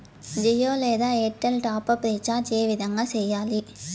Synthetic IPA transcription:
d͡ʒijoːleːðaeːʈːɐlʈaːpɐpɾit͡ʃːaːd͡ʒeːʋɪðɐŋɡɐsɛjːaːli

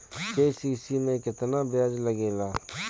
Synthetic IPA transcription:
keːsiːsimẽkɪt̪nabjaːd͡ʒləɡeːlaː

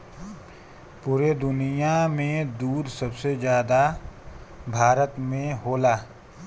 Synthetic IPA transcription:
puːɾed̪ʊnijamẽd̪uːd̪sɐbsed͡ʒjaːd̪a | bʱaːɾət̪mẽɦoːlaː

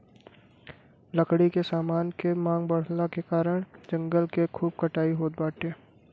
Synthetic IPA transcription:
ləkɽikesaːmaːnkemãːŋɡbəɽ̤nakekaːɾəɽ̃d͡ʒə̃ŋɡəlkekʰuːb̚kəʈaːiɦoːt̪̚baːʈeː

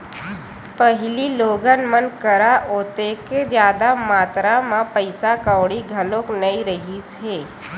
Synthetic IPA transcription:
pəɦɪliloːɡənmənkəɾaoːt̪eked͡ʒjaːd̪amaːt̪ɾamãpəɪsakaːɽiɡʱɐlõknəiɾəɦisɦeː

